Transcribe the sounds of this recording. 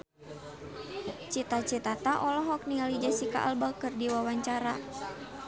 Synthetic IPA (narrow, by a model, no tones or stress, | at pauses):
t͡ʃit̪at͡ʃit̪at̪aʔɔlɔɦɔk̚niŋalid͡ʒasika̰ʔalbakɨrdiwawaɲt͡ʃaɾa